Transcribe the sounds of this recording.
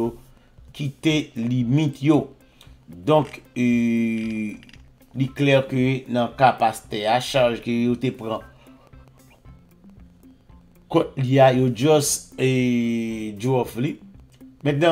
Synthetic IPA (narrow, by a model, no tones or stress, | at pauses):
o | kit̪elimĩt̪jo | d̪ɔ̃k | liklɛʁkønãkapast̪ɛaʃaʁʒkøjot̪epʁã | kɔt̚liajod͡ʒɔse | d͡ʒuɔfli | mɛ̃t̪̚nã